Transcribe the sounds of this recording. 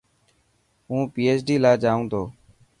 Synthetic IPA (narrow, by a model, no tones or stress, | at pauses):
ɦũːpiːeːsɖiːlaːd͡ʒaːũːt̪ʰoː